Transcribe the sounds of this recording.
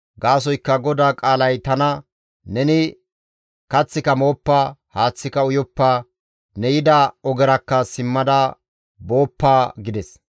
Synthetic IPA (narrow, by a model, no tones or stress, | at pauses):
ɡaːs̬ɔjkːɐɡɔd̪aːkʼaːlɐjt̪ɐnɐ | nɛnɪ | kɐt͡sːɪkɐmo̞ːpːahaːt͡sːɪkɐʊjɔpːa | nɛjɪd̪ɐɔɡɛɾɐkːɐsɪmːɐd̪ɐ | bo̞ːpːaːɡɪd̪ɛs